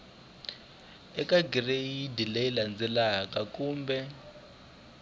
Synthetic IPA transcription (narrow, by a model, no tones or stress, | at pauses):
ɛkʼaɡireidilejiland͡zɛlak̬ʼak̬ʼuːmbɛ